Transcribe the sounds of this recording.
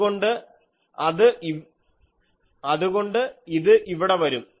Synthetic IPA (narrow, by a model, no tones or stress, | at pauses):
ɣo̞ɳɖɨ | ɐðɨʔi | ɐðuɣo̞ɳɖɨiðɨʔiʋiɽe̞ʋɐɾum